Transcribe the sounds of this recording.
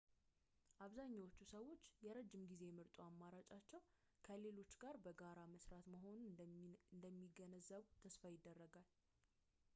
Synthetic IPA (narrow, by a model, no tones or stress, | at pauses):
ʔaβzaɲːawot͡ʃːusəwːo̞t͡ʃːjɛɾəd͡ʒːɪmɡize̞mɨɾt̪ʼuamːaɾat͡ʃʼat͡ʃːɛw | kʰəle̞lo̞t͡ʃːɡaɾbəɡaɾaməsɾat̪məɦo̞nund̪əmːiɡənəzːəβut̪ʰəsfajɪd̪ːərːəɡal